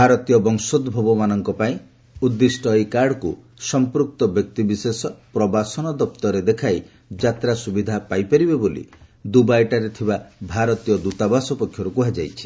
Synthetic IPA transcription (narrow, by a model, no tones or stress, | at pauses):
bbʱaɾɔt̪ijɔbɔŋsod̪bʱɔbɔmanɔŋkɔpaĩ | ud̪ːisʈɔjkaɽɔku | sɔmpɾuk̚t̪ɔbjɔk̚t̪ibisesɔpɾɔbasɔnɔd̪ɔp̚t̪ɔɾed̪ekʰaj | d͡ʒat̪ɾasubid̪ʱapajpɔɾibebolḭd̪ubajʈaɾet̪ʰibabʱaɾɔt̪ijɔd̪ut̪abasɔpɔkʰːjɔɾukuɦad͡ʒajt͡ʃʰi̥